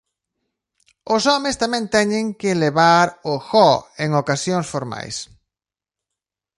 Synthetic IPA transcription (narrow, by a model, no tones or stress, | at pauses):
ʊsɔmɪst̪amɛ̃nt̪ɛɲɪ̃ŋkɪleβaɾʊxɔeŋokasjoŋsfoɾma̰js